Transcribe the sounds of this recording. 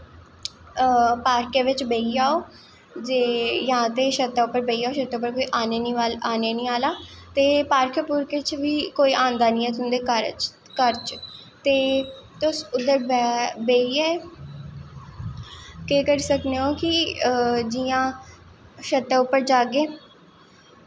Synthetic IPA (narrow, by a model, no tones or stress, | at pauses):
paːɾkeːʋɪt͡ʃbeiːaːoː | d͡ʒeːjãːt̪eːʃət̪ːɛːʊpːəɾbeiːaːoːʃət̪ːɛːʊpːəɾkoːiːʔaːneːniːaaːneːnĩːaːlaːt̪eːpaːɾkʰpuːɾkɪt͡ʃʋiːkoːiːʔãːnd̪aːnĩːɛːt̪ʊnd̪eːkəɾ | kəɾt͡ʃ | t̪eː | t̪ʊsʊd̪əɾbɛbeːiɛː | keːkəɾiːsəkneːoːkɪ | d͡ʒiːãː | ʃət̪ːɛːʊpːəɾd͡ʒaːɡeː